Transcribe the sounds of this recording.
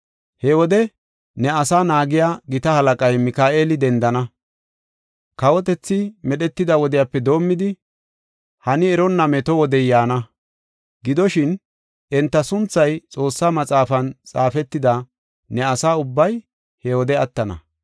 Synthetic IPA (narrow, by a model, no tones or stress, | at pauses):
hɛwɔd̪ɛ | nɛɐsaːnaːɡɪjaːɡɪt̪ɐhɐlɐkʼɐjmɪkaːʔeːlɪd̪ɛnd̪ɐnɐ | kɐwɔt̪̬ɛt͡sːɪmɛɗɛt̪ːɪd̪ɐwɔd̪ɪjapːɛd̪o̞ːmːɪd̪ɪ | hɐnɪɛɾɔnːɐmɛt̪ɔwɔd̪ɛjaːnɐ | ɡɪd̪ɔʃɪn | ʔɛnt̪ːɐsʊnt͡sːɐjt͡sʼo̞ːsːaːmɐt͡sʼaːfɐnt͡sʼaːfɛt̪ːɪd̪ɐ | nɛɐsaːʊbːɐj | hɛwɔd̪ɛɐt̪ːɐnɐ̰